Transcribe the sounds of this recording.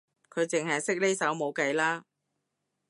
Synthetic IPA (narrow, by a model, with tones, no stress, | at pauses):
kʰɵ˨˧ɥt͡sɪ˨ŋɦɐ˨jsɪ˥k̚le˥jsɐ˨˥wmo˨˧wkɐ˧jlaː˥